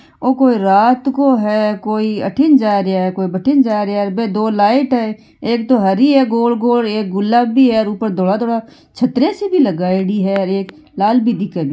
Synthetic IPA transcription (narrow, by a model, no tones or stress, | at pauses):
oːkoːiɾaːt̪koɦɛkoːiə̰ʈʰɪnd͡ʒaːɾeaɦɛkoːibəʈʰɪnd͡ʒaːɾaɾbẽd̪oːlaːɪʈɦɛ | eːk̚t̪oɦəɾiɦɛɡoːlɡoːleːk̚ɡʊlːaːbbʱiɦɛɾuːpəɾd̪ʱoːɽat̪ʰoːɽa | t͡ʃʰət̪ɾesebʱiləɡaːɪɽiɦɛɾeːk | laːlbʱid̪ɪkebi